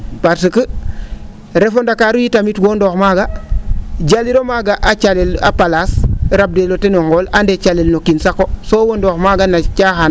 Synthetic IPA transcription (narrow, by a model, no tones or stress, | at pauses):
paɾsəkə | ɾefondakaɾujitamitɡondoxmaɡa | ɟaliɾomaɡaʔat͡ʃalela̰palasɾab̚delotenoŋɡolandet͡ʃalelnokinsakosoːwondoxmaɡanat͡ʃaxan